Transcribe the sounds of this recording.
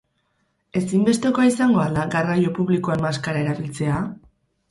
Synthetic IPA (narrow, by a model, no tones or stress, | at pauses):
e̞simbest̪e̞ko̞aisaŋɡo̞alaɡarajo̞puβlikoammaskaɾae̞ɾaβilt͡se̞a